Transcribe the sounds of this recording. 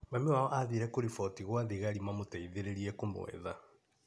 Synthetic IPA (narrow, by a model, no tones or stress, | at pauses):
mamewaɔʔaðiɾɛkoɾifɔtiɣwaðiɣaɾimamotaiðeɾeɾiɛkomo̰ɛ̰ða